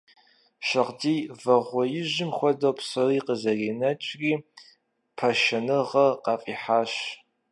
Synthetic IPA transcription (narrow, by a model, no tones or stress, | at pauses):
ʃɐʁdiːvɐʁʷɔjɪʑɪmxʷɔdɐwpsɐriːqəzɐriːnɐt͡ʃʼriː | pʰɐʃɐnɨʁɐqɑfʼiːħaːɕ